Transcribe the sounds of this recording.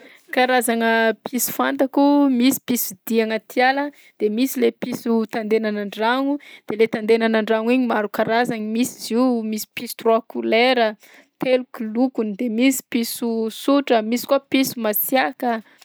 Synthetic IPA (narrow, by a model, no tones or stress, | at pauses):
kaɾazaŋəpʰisu̥fant̪akumisi̥pisid̪̥iaŋət̪ialə | d̪̥emisilepisut̪and̪enanaɳɖ͡ʐaŋud̪̥elet̪and̪enanaɳɖ͡ʐaŋiɲimaɾukaɾazaɲimisiziwmisi̥pisu̥t̪roakuleɾə | t̪elukilukunid̪emisi̥pisusuʈ͡ʂəmisi̥kwapisumasiakə